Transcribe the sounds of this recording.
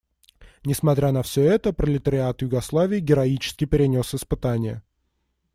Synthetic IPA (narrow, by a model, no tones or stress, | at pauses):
nʲɪsmɐt̪ɾʲanɐfsʲɵɛt̪əpɾəlʲɪt̪əɾʲɪat̪jʊɡɐslˠavʲɪːɡʲɪɾɐit͡ɕɪ̥skʲɪpʲɪɾʲɪnʲo̞sɪspɨt̪anʲɪjə̰